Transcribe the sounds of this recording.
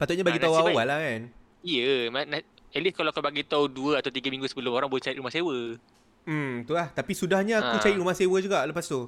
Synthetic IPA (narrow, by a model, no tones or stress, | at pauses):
pat̪ʊtʔ̚ɲabaɡit̪awawalahkan | ijəmana | ɛliskalawkabaɡit̪awduəat̪awt̪̬iɡəmĩŋɡusəbəlʊmoɾaŋbolɛht͡ʃaɪtʔ̪̚ɾumahsewə | m̩t̪ulaht̪apisudahɲaakut͡ʃaɪt̪ʔ̚ɾumahsewəd͡ʒuɡaʔləpast̪u